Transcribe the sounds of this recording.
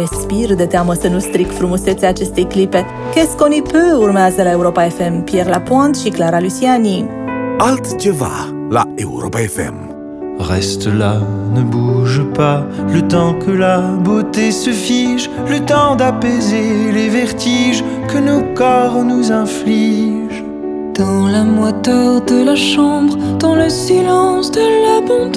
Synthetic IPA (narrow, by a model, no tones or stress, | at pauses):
espird̪et̪eaməsənust̪ɾikfɾumuset̪seat͡ʃest̪e̞jklipe̞ | keskonipøurmeazəlaeuɾopaefempjerlapɔ̃nt̪ʃiklaɾalysiani | alt̪d͡ʒeva̰ | la̰eṵɾɔ̰paɛfɛ̰m | ʁɛst̪əlanəbuʒpalət̪ɑ̃kəlabot̪esəfiʒ | lət̪ɑ̃d̪apezelevɛʁt̪ʰiʒ | kənokɔʁnuzɛ̃fliʒ | d̪̥ɑ̃lamwat̪ɔd̪əlaʃɑ̃bʁd̪̥ɑ̃ləsilɑ̃sd̪əlabɔ̃t̪